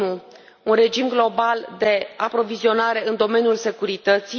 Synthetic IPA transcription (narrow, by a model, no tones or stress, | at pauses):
u | unre̞d͡ʒimɡlo̞bald̪e̞apɾo̞vizio̞naɾe̞ɨnd̪o̞me̞nʲjulse̞kuɾit̪ət̪si